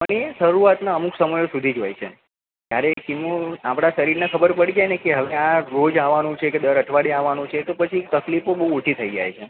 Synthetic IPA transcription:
pəɳ̃eʃəɾuat̪naəmuksəməjosud̪ʱid͡ʒojt͡ʃʰḛ | t̪jaɾekimũapɽ̃aʃəɾiɾnakʰəbəɾpəɽid͡ʒajnekeɦəʋeaɾod͡ʒaʋanũt͡ʃʰeked̪əɾəʈʰʋaɽiaʋanũt͡ʃʰet̪opət͡ʃʰit̪əklipobəɦuːt͡ʃʰit̪ʰəid͡ʒa̰jt͡ʃʰe

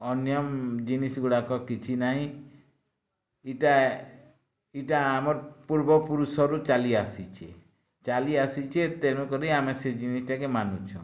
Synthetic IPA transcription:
ɔnjɔmd͡ʒinisɡuɽakɔkit͡ʃʰinaɦĩ | iʈa | iʈaːmɔɾpuɾbɔpuɾusɔɾut͡ʃaliasit͡ʃʰe | t͡ʃaliasit͡ʃʰet̪eñũkɔɾiamesed͡ʒinisʈakemanut͡ʃʰɔ̰̃

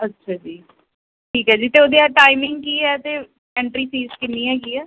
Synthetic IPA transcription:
ətːʃʰaːd͡ʒiː | ʈʰiːkɦɛːd͡ʒiːt̪eːoːd̪iaːʈaːɪmɪŋɡ̚kiːɦɛːt̪eː | ɛ̃ːɳʈɾiːsiːzkɪnːiːɛːkiːɦɛː

